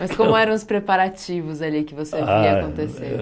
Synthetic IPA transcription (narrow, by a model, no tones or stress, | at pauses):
mɐskõmʊɛɾɐ̃w̃ʊspɾepaɾat͡ʃivʊzalikɪvoseviɐkõnt̪esḛ